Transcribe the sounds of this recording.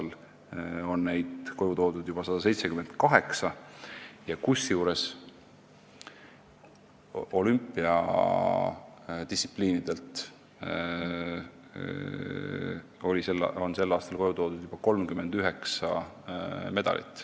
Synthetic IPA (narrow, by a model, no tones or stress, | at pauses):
l | o̞nːe̞jd̪̥ko̞jut̪o̞ːd̪̥ud̪̥jub̥ɑsɑd̪̥ɑse̞jt̪se̞kyme̞nd̪̥kɑɦe̞ksɑ | jɑkusjuːɾe̞s | o̞lympːˑiɑ̰ | d̪isʲi̥pliːnid̪̥e̞lt̪ | o̞lʲiselːo̞nse̞lːɑːst̪ɑlko̞jut̪o̞ːd̪̥ud̪̥jub̥ɑko̞lmkyme̞nd̪̥yɦe̞ksɑ | me̞d̪̥ɑ̰lʔḭt̪ːˑ